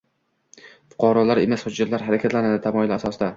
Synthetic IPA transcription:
fʊ̥qʰɒɾɒlaɾemasχʊd͡ʒɪt̪laɾɦaɾakʲʰat̪lanad̪ɪt̪ʰamɒɪlasɒsɪd̪a

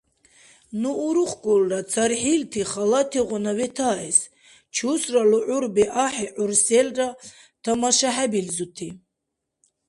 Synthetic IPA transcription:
nuːɾuχɡulrat͡sʰaɾħilt̪ʰiχalat̪ʰiʁɔnavɛt̪ʰaːɛs | t͡ʃʰusraluʕuɾbɛʔaħɛʕuɾsɛlra | t̪ʰamaʃaħabilzut̪ʰi

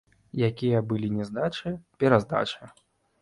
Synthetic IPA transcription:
jakʲijɐbɨlʲinʲɛzd̪at͡ʂɨpʲɛɾazd̪a̰t͡ʂɨ

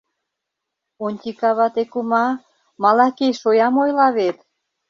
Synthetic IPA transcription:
onʲt̪ʲikɑβɑt̪ekumɑ | mɑlɑkeʃojɑmojlɑβet̪

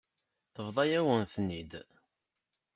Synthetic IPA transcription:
θəvðˤɑjæwənθnːid̪

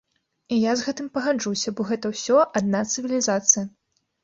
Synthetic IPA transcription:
ijazɣɛt̪ɨmpɐɣad͡ʐusʲɐbɔɣɛt̪ɐwsʲɔad̪̚nat̪sɨvʲilʲizat̪sɨjɐ

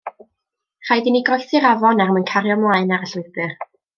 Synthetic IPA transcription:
r̥ajdiniɡɔjθɪɾavɔnarmənkʰaɾjɔmlˠaːɨnaɾəɬʊɨbɨr

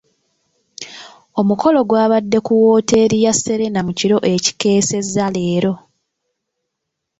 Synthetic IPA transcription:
o̞muko̞lo̞ɡwaːβadːe̞kuwo̞ːte̞ːɾijasːe̞ɾe̞namuciɾo̞ʔe̞ci̥ke̞ːse̞zale̞ːɾo̞

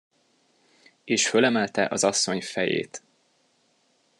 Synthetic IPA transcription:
eːʃfølɛmɛlt̪ɛʔɒzɒsːo̞ɲfɛjḛːt̪

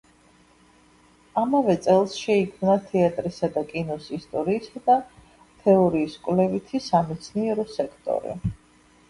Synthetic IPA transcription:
amavɛt̪sʼɛlˠsʃɛikʰmnat̪ʰɛat̪ʼɾisad̪akʼinɔsist̪ʼɔɾiːsad̪a | t̪ʰɛɔɾiːskʼwlɛvit̪ʰisamɛt̪sʰniɛɾɔsɛkʰt̪ʼɔ̰ɾḭ

